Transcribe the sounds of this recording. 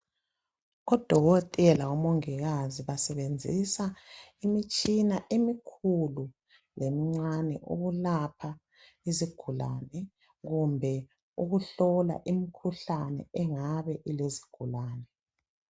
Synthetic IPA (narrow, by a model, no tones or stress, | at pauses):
ɣɔd̥ʱɔɣɔtʼɛlaɔmoŋiɣaziβasɛβend͡zʱḭsaimit͡ʃʼinaʔemikʰulu | lemiŋ͡ǀanɛ̰ʔuɣulapʰa | iziɡ̥ʱula̰nɛ | ɣumbʱɛ | uɣuɬɔla̰ʔimikʰuɬanɛ̰ɛŋaβɛʔilezi̥ɡ̥ʱulaːnɛ